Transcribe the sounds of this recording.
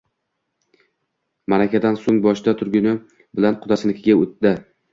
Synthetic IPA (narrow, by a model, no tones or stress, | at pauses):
maɾakʲʰad̪ansoŋbɒʃt̪at̪ʰʊɾɡʲɪnɪ | bɪlanqʰʊd̪asɪnɪkʲʰɪɡʲaot̪d̪ɪ